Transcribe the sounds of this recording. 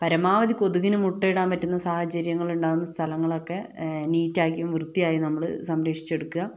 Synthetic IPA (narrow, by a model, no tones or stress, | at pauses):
pɐɾɐmaːʋɐd̪iko̞ðuɣinumuʈːeɽaːnpɐtːunːɐsaːhɐt͡ɕɐɾjɐŋːɐɭuɳɖaːwunːɐst̪ʰɐlɐŋːɐɭo̞kːe̞niːtːaːkːjʋumʋrɨt̪ːijaːjinɐmːɐɭɨsɐmɾekʂi̥t͡ɕːe̞ɽukːuɣɐ